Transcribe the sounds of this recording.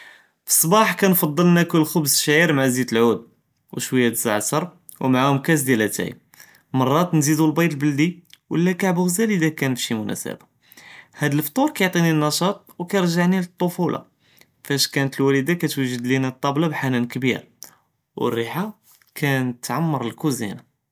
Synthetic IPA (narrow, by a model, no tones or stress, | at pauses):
fi̥sˤːbɑħkænfɑd̪ˤːəlnækʊlːxʊbzʃʕiɾmaʕazid̪əlʕud̪̚ | wʃwəjːat̪zaʕsɑɾˤ | wmaʕahʊmkæs̬d̪jælæt̪æ̰j | mɑrˤːɑt̪nzid̪ulbɑjɾəlbəld̪iwʔə̰lːækaʕbəɣzælid̪ækænfʃimʊnʔæ̰sə̰bḁ | hæd̪əlft̪ˤuɾkæjoʕt̪ˤininːɑʃɑt̪ˤwkæjəɾˤʒaʕnilət̪ˤːofulʔɑ̰ | fæʃkænət̪əlwælid̪akæt̪wæʒəd̪linæt̪ˤːɑblɑbħanænkbḭɾ | wə̰rːiħa | kʰænt̪ʕamːɑɾˤəlkuzḭna